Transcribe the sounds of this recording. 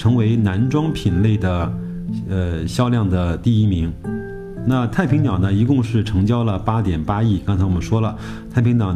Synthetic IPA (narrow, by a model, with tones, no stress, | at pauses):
ʈ͡ʂʰɤ˧˥ŋwe˧˥ɪna˧˥nʈ͡ʂwɑ˥ŋpʰi˨˩nle˥˩ɪd̪ə˩ | ə˧ɕjɑ˥ʊljɑ˥˩ŋd̪ə˩t̪i˥˩i˥mi˧˥ŋ | na˥˧t̪ʰa˥˩ɪpʰi˧˥ŋt̪ɑ˨˩ʊnə˦i˧˥kʊ˥˧ŋʂɻ̩˥˩ʈ͡ʂʰɤ˧˥ŋt͡ɕjɑ˥ʊlə˨pa˥t̪jɛ˨˩npa˥i˥˩kɑ˥ŋt͡sʰa˧˥wɔ˨˩mə˦nʂwɔ˥lə˨ | t̪ʰɪpʰi˧˥ŋt̪ɑ˨˩ʊ